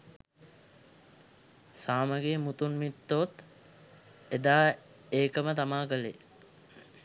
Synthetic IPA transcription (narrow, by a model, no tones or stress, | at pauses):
saːməɡemut̪unmit̪ːot̪ | ed̪aː | eːkəmət̪amaːkəlḛ